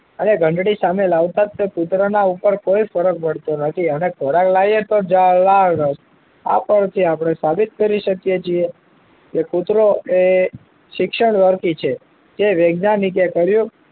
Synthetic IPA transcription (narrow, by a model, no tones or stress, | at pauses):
əneɡʱə̃ɳɖɽisamelaʋt̪at̪ːeput̪ɾənaupəɾkoifəɾək̚məɽt̪onət̪ʰiənekoɾaklajet̪od͡ʒalaɾəʃ | a̰pəɳt̪ʰiapɳ̃esabit̪̚kəɾiʃəkijet͡ʃʰie | kekut̪ɾoe | ʃɪkʃəɳʋəɾkit͡ʃʰe | keʋeɡnanik̬ekəɾjũ